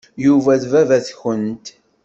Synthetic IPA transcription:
juvæðvævæθçənt̪

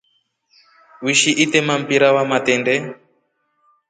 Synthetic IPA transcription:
wiʃiʔit̪ɛmam̩piɾawamat̪ɛndɛ

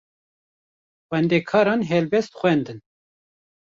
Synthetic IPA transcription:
xwɛnd̪eːkʰɑːɾɑːnɦɛlbɛst̪xʷɛnd̪ɨn

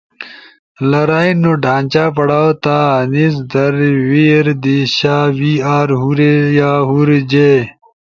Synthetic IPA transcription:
lɐɾaːinoɖʱãːnt͡ɕaːpɐɽaːwot̪aːnis̬d̪ɐɾwiːɾd̪iɕaːwiːaːɾɦuɾejaːɦuɾd͡ʑe

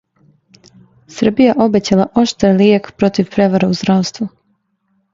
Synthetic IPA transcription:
sr̩bijaʔo̞bet͡ɕalˠaʔo̞ʃt̪ɾalijekpɾo̞t̪iʋpɾe̞ʋaɾauzd̪ɾawst̪ʋu

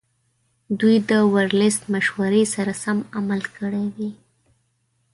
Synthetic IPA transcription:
d̪ujd̪əwaɾlɪst̪maʃwaɾesaɾasamamalkəɽewi

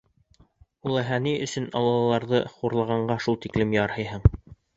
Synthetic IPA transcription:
ulˠæɦæniɵ̆sɵnɑ̰lˠɑlˠɑlˠɑɾðɤχuɾlˠɑʁɑɴɢɑʃulˠt̪iklɘmjɑɾhɤ̆jɦɤɴ

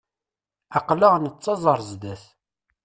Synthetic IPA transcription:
ɑqləʁnət͡sːɑzˤəɾˤzd̪æθ

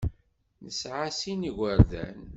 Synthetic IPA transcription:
nəsʕasiniʝəɾðæ̰n

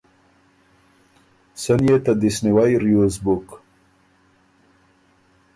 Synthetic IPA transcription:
sənjet̪ad̪isniwajɾjuzbuk

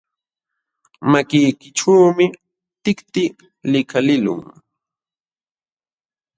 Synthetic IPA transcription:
makɪjkɪʈ͡ʂawmɪ | t̪ɪkt̪ɪ | lɪkalɪlʊ̰ŋ

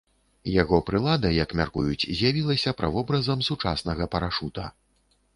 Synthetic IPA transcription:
jaɣɔpɾɨlˠad̪ɐjɐkmʲa̰rkṵjut͡sʲzʲjavʲilˠɐsʲɐpɾʔa̰vɔbɾɐzɐmsut͡ʂasnɐɣɐpɐɾaʂut̪ɐ

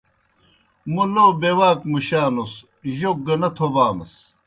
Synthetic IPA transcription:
muloːbewaːkmuɕaːnos | ʑok̚ɡɐnɐt̪ʰobaːmɐs

